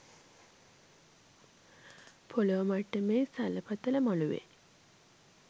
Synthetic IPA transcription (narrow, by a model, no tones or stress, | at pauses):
pʰoləʋəmaʈːəmeːsaləpat̪ələmaluʋḛ